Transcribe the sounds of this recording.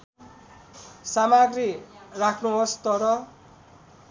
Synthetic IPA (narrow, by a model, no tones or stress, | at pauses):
samaɡrirakʰnuɦost̪ʌɾʌ